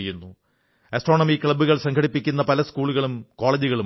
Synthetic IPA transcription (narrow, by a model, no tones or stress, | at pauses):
jːunːu | ɐsʈro̞ːɳɐmikɭɐbuɣɐɭsɐŋkʰɐɽipːikʲːunːɐpɐlɐskuːɭuɣɐɭumko̞ːɭɐd͡ʑuɣɐɭu